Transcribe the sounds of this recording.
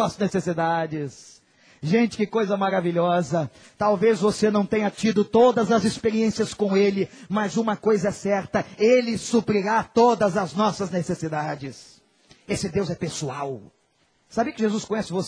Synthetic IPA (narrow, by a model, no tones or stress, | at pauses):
nesesid̪ad͡ʒɪs | ʒẽt͡ʃɪ̥kɪkojzɐmaɾaviʎɔzɐ | t̪awvezvosenɐ̃w̃t̪ẽɲɐt͡ʃid̪ʊt̪od̪ɐzɐzɪspeɾiẽsiɐskõelɪmɐzũmɐkojzɐɛsɛɾt̪ɐelɪsupɾiɾat̪od̪ɐzɐznɔsɐznesesid̪ad͡ʒɪs | esɪd̪ewzɛpesuaw | sabiɐkɪʒezuskõɲɛsɪvos